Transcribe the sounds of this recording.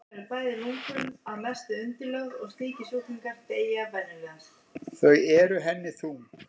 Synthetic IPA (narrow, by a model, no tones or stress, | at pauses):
ɾɪɾpaːjðɪnuŋkʏmaðmɛst̪ʏʏnt̪ɪlœɣɣɔɣst̪iːcɪsuːt̪iŋkaɾt̪eːjavɛnːɪlans | θœɥɛɾʏɦɛnːɪθu